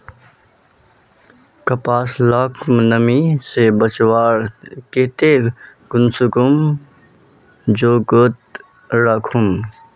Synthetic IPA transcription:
kɐpaːslaːkʰmnəmisebət͡ʃwaːɾket̪e | ɡʊnsukum | d͡ʒoːkət̪̚ | ɾaːkʰum

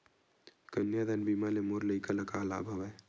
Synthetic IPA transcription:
kənjad̪anbiːmalemoːɾləikəlɐkaːla̰ːbʱɐʋa

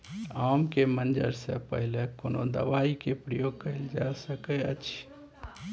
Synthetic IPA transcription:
aːmkemənd͡ʒə̰ɾsḛpə̰ɦlekoːno̰d̪ə̰ʋaːikepɾəjoːɡ̚kəɪld͡ʒasəkeət͡ʃʰ

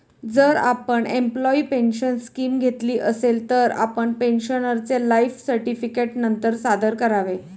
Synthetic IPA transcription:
d͡zəɾa̰pəɳemplɔiːpenɕənskiːmɡʱet̪liːʔəselt̪əɾa̰pəɳpenɕənəɾt͡selaifsəɾʈifikeʈnənt̪əɾsad̪əɾkəɾaʋe

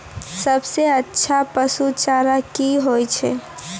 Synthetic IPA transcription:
səbseətːʃʰapəsut͡ʃaɾakiɦojt͡ʃʰɛ̰

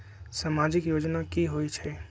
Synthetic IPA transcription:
samaːd͡ʒɪkjoːd͡ʒnakiɦoit͡ʃʰɛ

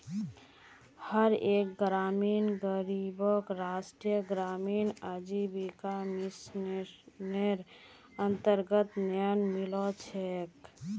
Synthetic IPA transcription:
həɾek̚ɡɾaminɡəɾibəkɾasʈɾijəɡɾaminəd͡ʒibikamis | neɾ | ənt̪əɾɡət̪nəənmilɔt͡ʃʰɛk

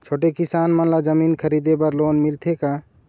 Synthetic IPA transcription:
t͡ʃʰoːʈekɪsaːnmɐnlad͡ʒəmiːnkʰəɾiːd̪ebəɾloːnmɪlt̪ʰeka

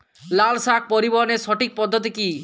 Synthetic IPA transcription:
lalsak̚ʰpɔɾibɔɦɔnesɔʈik̚pɔd̪ʱːɔt̪̬iki

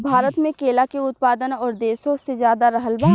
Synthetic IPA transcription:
bʱaːɾət̪mẽkeːlakeʊt̪̚paːd̪ənɔːɾd̪eːsõsezjaːd̪aɾɐɦəlbaː

